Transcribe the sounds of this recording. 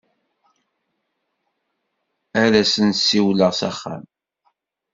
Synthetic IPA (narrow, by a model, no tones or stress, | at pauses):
æɾæsənt̪sːiwləʁsæ̰χːa̰m